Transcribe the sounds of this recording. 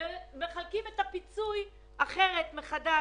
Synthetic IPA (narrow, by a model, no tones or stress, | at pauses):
me̞χalkimetapit͡suj | aχe̞ʁe̞t̪meχada